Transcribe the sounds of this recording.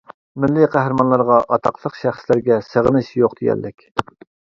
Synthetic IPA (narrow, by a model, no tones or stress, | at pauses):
mɪlːɪqʰæhɾɨmɑnlˠɑɾʁɑʔɑt̪ʰɑqʰlˠəqʃæχslɪɾɡʲɛsəʁənɨʃjoqd̪eɡʲɛ̰lːɪkʲ